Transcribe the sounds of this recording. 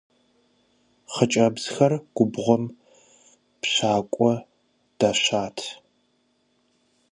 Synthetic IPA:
χət͡ʃʼɐbz̥xɐrɡ̥ʷʊbʁʷɔm | pɕaːkʷʼɔ | d̥aɕaːtʰ

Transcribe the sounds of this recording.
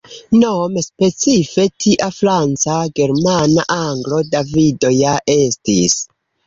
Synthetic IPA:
nomespe̞t͡sife̞tʰiʔafɾant͡saɡe̞ɾmanaʔaŋɡlo̞davidojaʔe̞stis

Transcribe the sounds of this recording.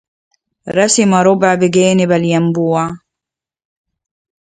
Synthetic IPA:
ɾˤɑsɪmaɾʊbʕbɪɡeːnɪbaljambuːa

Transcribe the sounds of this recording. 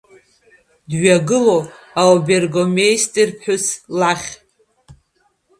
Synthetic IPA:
dɥaɡɨlo | awbe̞rɡomejstʼirpʰħʊslaχʲ

